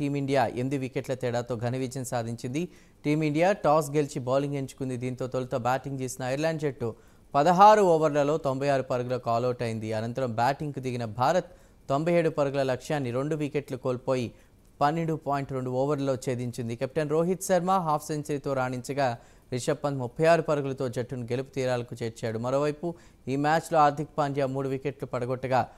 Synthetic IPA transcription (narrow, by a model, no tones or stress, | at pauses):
ʈiːmiɳɖijaːʔemid̪iʋikeʈlɐt̪ɛːɽaːt̪o̞ːɡʱɐnɐʋid͡ʒɐnsaːd̪ʱiɲt͡ʃind̪i | ʈiːmiɳɖijaːʈaːs̬ɡe̞lt͡ʃiboːliŋɡe̞ɲt͡ʃu̥kund̪id̪iːnt̪o̞ːt̪olɐt̪ɐbaːʈiŋɡd͡ʒeːsinɐːjɐɾlaːɳɖd͡ʒeʈːu | pɐd̪ɐɦaːɾuɔːʋɐɾlɐlo̞ːt̪o̞mbɐjaːɾupɐɾuɡulɐkaːlɐwʈɐjind̪iɐnɐnt̪ɐɾɐmbaːʈiŋɡkud̪iɡinɐbʱaːɾɐt̪ː | o̞mbʱɐjeːɽupɐɾuɡulɐlɐkʂjaːnːiɾe̞ɳɖuʋikeʈlukoːlpo̞ːji | pɐnːeɳɖupaːjiɳʈɾe̞ɳɖuɔːʋɐɾlɐlo̞ːt͡ʃe̞ːd̪iɲt͡ʃind̪ikep̚i̥ʈɐnɾoːɦit̪sɐɾmaːɦaːpʰseɲt͡ʃɐɾit̪o̞ːɾaːɳiɲt͡ʃɐɡaː | ɾiʂɐpːɐmupʰːɐjaːɾupɐɾɐɡulɐt̪o̞ːd͡ʒɐʈːunuɡe̞lupu̥t̪iːɾaːlɐkut͡ʃeːɾt͡ʃaːɽumɐɾo̞ːʋɐjpu | iːmaːt͡ʃloaːɾd̪ʱikɐpaːnd͡ʒjaːmuːɽuʋikeʈlupɐɽɐɡɔʈːɐɡaː